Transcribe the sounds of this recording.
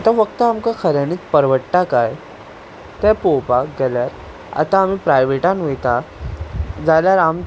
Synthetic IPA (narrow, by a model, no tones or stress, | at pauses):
at̪ãfəkt̪əamkakʰəɾjaniːt͡spəɾʋəʈʈakaj | t̪ɛ̃popaɡɛljaɾ | a̰t̪aːm̤ipɾajʋeʈãnʋet̪a | d͡zaljaɾam